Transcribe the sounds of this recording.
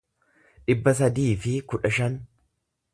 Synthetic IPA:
ᶑɪbːɐs̬ɐd̪iːfɪkʊᶑɐʃɐn

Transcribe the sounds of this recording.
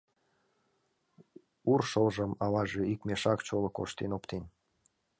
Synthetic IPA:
urʃolʒəmɑlɑʒeikmeʃɑkt͡ɕolɤ̆ko̰ʃt̪enopt̪en

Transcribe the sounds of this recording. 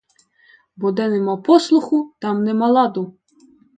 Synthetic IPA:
bɔd̪ɛnɛmapɔslˠʊxut̪ɑmnɛmalˠɑd̪u

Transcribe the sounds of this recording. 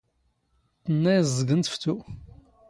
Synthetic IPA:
t̪ːənːæjzˤːəɡənt̪ə̥ft̪u

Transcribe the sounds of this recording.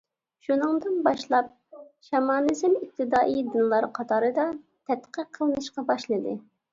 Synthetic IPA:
ʃunɨŋd̪ɨnbɑʃlˠɑp̚ | ʃɑmɑːnɨzɪmik̚t̪ʰɨd̪ɑːʔid̪ɨnlˠɑɾqʰɑt̪ʰɑːɾɨd̪ɑ | t̪ʰɛt̪qʰəqʰːəlˠɨnɨʃqɑbɑʃlˠɨd̪ɨ

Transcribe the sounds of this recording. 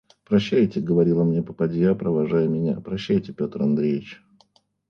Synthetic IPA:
pɾɐɕːæjtʲɪɡəvɐɾʲilˠəmnʲepəpɐdʲjapɾəvɐʐajmʲɪnʲapɾɐɕːæjtʲɪpʲo̞t̪rɐnd̪ɾʲejʲɪt͡ɕ

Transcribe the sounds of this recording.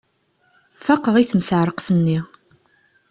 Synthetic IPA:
fɑqːəʁiθəmsəʕɾˤəqθənːi

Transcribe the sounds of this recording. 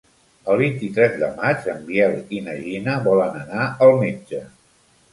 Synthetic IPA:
əlˠβint̪it̪ɾɛzðə̰mat͡ʃəmbjɛlˠinəʒinəβɔlənənaəlˠmed͡ʒə

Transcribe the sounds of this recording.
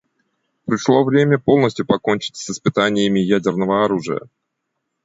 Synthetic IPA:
pɾʲɪʂlˠo̞vɾʲemʲəpo̞lˠnəsʲtʲjʊpɐko̞nʲt͡ɕɪ̥tʲsɪspɨt̪anʲɪjəmʲɪjædʲɪrnəvəɐɾuʐɨ̰jə̰

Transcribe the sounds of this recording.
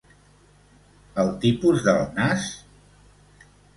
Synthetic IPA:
əlˠt̪ipuzðə̰lˠnas

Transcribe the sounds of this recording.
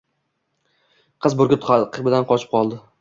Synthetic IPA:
qʰɨzbʊɾɡʲɪt̪qʰbɪd̪anqʰɒt͡ʃʰɪp̚qʰɒlˠd̪ɪ

